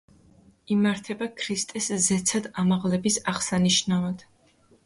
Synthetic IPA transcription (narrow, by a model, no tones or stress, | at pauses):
imaɾt̪ʰɛbakʰɾist̪ʼɛszɛt̪sʰad̪amaʁlɛbisaʁsaniʃnavad̪̥